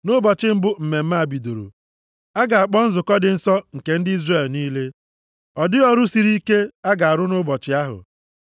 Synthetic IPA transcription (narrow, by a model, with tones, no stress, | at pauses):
nʊ˦bɔ˨t͡ʃɪ˦m̩˦bʊ˦m̩˨me˨m̩˦ma˦a˨bi˨do˨ɾo̰˨ | a˦ɡa˨a˨k͡pɔ˦n̩˦zʊ˨kɔ˦dɪ˨n̩˦sɔ˦ŋ̩˨ke˨n̩˦dɪ˦i˦zre˦˨lniː˦le˦ | ɔ˨dɪ˦ɔ˦ɾʊ˦si˨ɾi˦ke˦a˦ɡa˨a˨ɾʊ˦nʊ˦bɔ˨t͡ʃɪ˦a˦ɦʊ̰˨